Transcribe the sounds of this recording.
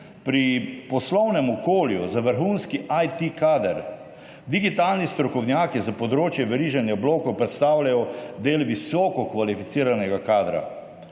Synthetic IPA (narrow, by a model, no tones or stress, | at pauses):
pɾipɔslɔwnɛmɔkoːljuzaʋəɾxunskiʔajt̪ikaːd̪əɾ | d̪iɡit̪aːlnist̪ɾɔkɔwnjaːkizapɔd̪ɾoːt͡ʃjɛʋɛɾiːʒanjabloːkɔwpɾɛt̪st̪aːwlajɔd̪eːlʋisɔːkɔkʋalifit̪siːɾanɛɡakaːd̪ɾa̰